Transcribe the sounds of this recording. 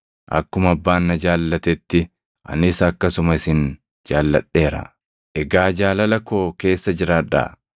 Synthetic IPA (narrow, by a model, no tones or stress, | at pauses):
ʔɐ̰kːʊmɐbːaːnːɐd͡ʒaːlːɐt̪ɛt̪ːɪ | ʔɐ̰nɪsɐːkːɐsʊmɐɪsɪn | d͡ʒaːlːɐ̰ᶑe̞ːɾɐ̰ | ʔɛɡaːd͡ʒaːlɐlɐko̞ːke̞ːsːɐd͡ʒɪɾaːᶑɐ̰